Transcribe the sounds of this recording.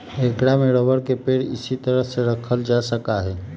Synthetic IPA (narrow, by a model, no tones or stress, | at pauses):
ekɽameɾəʋəɽkepeɽɪ̰sit̪əɾəɦseɾəkʰəld͡ʒasəkaɦɛː